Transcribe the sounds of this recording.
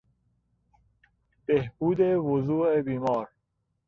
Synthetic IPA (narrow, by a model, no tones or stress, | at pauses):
b̥ehb̥uːd̪evozuːebiːmɒːɾ